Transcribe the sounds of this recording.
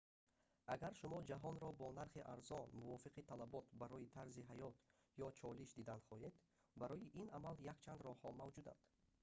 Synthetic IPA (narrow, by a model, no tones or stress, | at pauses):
ʔaɡaɾʃumɔd͡ʒaɦɔnɾɔbɔnaɾχiʔa̰ɾzɔnmuvɔfiqʰit̪ʰalabɔt̪baɾɔjit̪ʰaɾziɦajɔt̪ | jɔt͡ʃʰɔliʃd̪id̪anχɔed̪ | baɾɔjiʔinamaljakt͡ʃʰand̪ɾɔhɔmavd͡ʒud̪a̰nd̪̥